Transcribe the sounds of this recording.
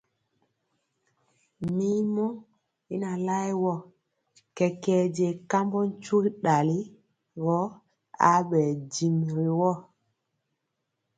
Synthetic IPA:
mi˦mɔ˦ | i˦na˨la˦jwɔ˦˨ | kɛ˨kɛ˦d͡ʒe˨ka˦mbɔ˦n˦t͡ʃu˦kɗa˨li˦ | ɣɔ˨˦ | a̰˨˦ɓɛ˨d͡ʒi˨mɾi˨wɔ˦

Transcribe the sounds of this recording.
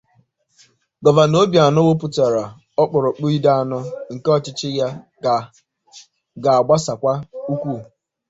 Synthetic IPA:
ɡɔ˨va˨no˦bja˨nʊ˦wo˦pʊ˦ta˨ɾa˨ | ɔ˦k͡pʊ˨ɾʊ˨k͡pu˦i˦da˦a˦˨nʊ˦ŋ̩˨ke˦ɔ˦t͡ʃɪ˦t͡ʃɪ˦ja˦˨ | ɡa˨a˨ɡ͡ba˦sa˨kʷa˦u˦kʷu˦˨

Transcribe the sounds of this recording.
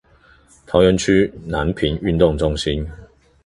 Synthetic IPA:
t̪ʰɑ˧˥ʊɥɛ˨˧˥nt͡ɕʰy˥na˨˦˥npʰi˨˥ny˥˧nt̪ʊ˥˨ŋʈ͡ʂʊ˥ŋɕi˦n

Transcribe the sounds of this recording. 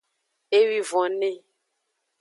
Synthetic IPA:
e˦wi˦vɔ̃˨nẽ˦

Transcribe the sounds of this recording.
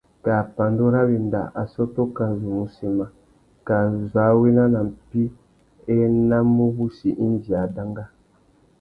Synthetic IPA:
ka˨pa˨ndo˦ɾa˦βi˨n˨da̰˨ʔa˨sɔ˦to˦ka˨zu˨mu˨si˨ma˨ | ka˨za˨˦we˦na˦na˨m̩˨pi˦ | ɛ˦na˦mu˦bu˦si˨ʔi˦n˦d͡ʒi˨a˨da˦ŋɡa˦

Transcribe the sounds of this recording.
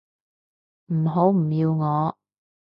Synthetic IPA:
m̩˨˩ɦo˨˥wm̩˨˩jiː˧wŋɔː˨˧

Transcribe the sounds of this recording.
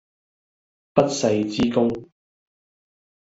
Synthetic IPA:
pɐ˥t̚sɐ˧jt͡siː˥kʊ˥ŋ

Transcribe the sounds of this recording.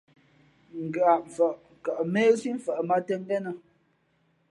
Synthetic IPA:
ŋ̩˨ɡə˨a˨ʔɱ̩˨fə˨ʔka˨ʔmeː˦si˦m̩˨fə˨ʔma˦tɛ˦ŋ˦ɡɛ˦nə˨

